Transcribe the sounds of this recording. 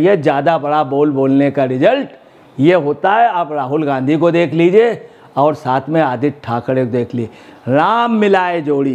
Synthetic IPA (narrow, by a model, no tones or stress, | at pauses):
jed͡ʒjaːd̪abɐɽaboːlboːlnekaɾɪd͡ʒəlʈ | jeɦoːt̪aɦɛəbɾaːɦʊlɡãːnd̪ʱikod̪eːkʰliːd͡ʒieː | ɔːɾsaːt̪ʰmẽaːd̪ʱɪt̪̚ʈʰaːkəɽed̪eːkʰlieɾaːmːɪlaːed͡ʒoːɽiː